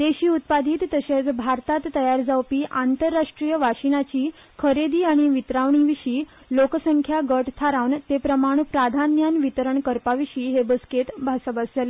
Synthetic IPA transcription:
d̪eɕiːut̪̚pad̪ʱiːt̪ːəɕet͡sbʱaɾt̪at̪ːəjaɾd͡zawpiːʔant̪əɾːaʂʈɾijəʋaɕinat͡ɕiː | kʰəɾed̪iːaɽ̃iʋit̪ɾaʋɳiʋiɕiː | loksəŋkʰjaɡəʈt̪ʰaɾaʋnt̪epɾəmaɽ̃upɾad̪ʱanjanʋit̪əɾəɳkəɾpaʋiɕiːɦebəsket̪bʱasəbasd͡zale

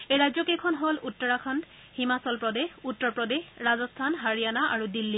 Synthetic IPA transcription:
ejɹazɔkekʰɔnɦolutːɔɹakʰand | himasɔlpɹɔdexutːɔɹpɹɔdexɹazɔstʰanɦaɹijanaʔaɹudilːi

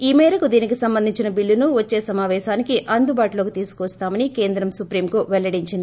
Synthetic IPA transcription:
iːmɛːɾɐkud̪iːnikisɐmbɐnd̪iɲt͡ʃinɐbilːunuʋɐt͡ʃːe̞ːsɐmaːʋɛːʃaːnikiʔɐnd̪ubaːʈilo̞ːkit̪iːsu̥kʋst̪aːmɐnike̞ːnd̪ɾɐmsupɾiːmkuʋɛɭːɐɽiɲt͡ʃind̪i

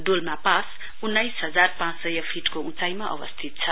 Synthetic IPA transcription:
ɖolmapãs | unːʌjsɦʌd͡zarpãt͡ssʌjʌpʰiʈkoũt͡sajmaʔʌ̰wʌ̰st̪ʰit̪̚t͡sʰʌ

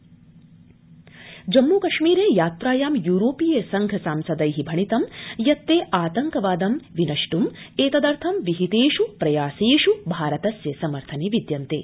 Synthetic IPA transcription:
d͡ʒɐmːuːkɐʃmiːɾeːjaːt̪ɾaːjaːmjuːɾoːpijeːsɐŋɡʱɐsaːmsɐd̪ɐjɦibʱɐɳit̪ɐmjɐt̪ːeːʔaːt̪ɐŋkɐʋaːd̪ɐmʋinɐʃʈum | eːt̪ɐd̪ɐɾt̪ʰɐmʋiɦit̪eːʃupɾɐjaːseːʃubʱaːɾɐt̪ɐsjɐsɐmɐɾt̪ʰɐneːʋid̪jɐnt̪ḛː

